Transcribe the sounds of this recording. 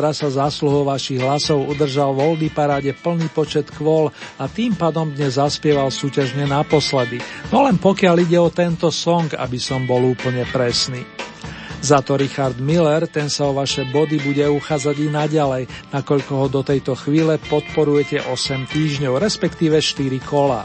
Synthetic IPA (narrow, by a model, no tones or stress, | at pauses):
ɾasazasluɦɔʊʋaʃiɣɦlasɔʊud̪r̩ʒalʋɔld̪ipaɾaːɟɛpl̩niːpɔt͡ʃɛt̪kʋɔlat̪iːmpaːd̪ɔmd̪ɲɛzːaspɪɛʋalsuːcaʒɲɛnapɔslɛd̪inɔlɛnpɔkɪaliɟɛɔt̪ɛnt̪ɔsɔŋɡa̰bisɔmbɔluːpl̩ɲɛpɾɛsniː | zat̪ɔɾixaɾd̪milɛɾt̪ɛnsaɔʋaʃɛbɔd̪ibuɟɛuxaːd͡zaɟinaɟalɛjnakɔʎkɔɦɔd̪ɔt̪ɛjt̪ɔxʋiːlɛpɔt̪pɔɾujɛcɛʔɔsɛmt̪iːʒɲɔʊɾɛspɛkt̪iːʋɛʃt̪iɾikʰɔla̰ː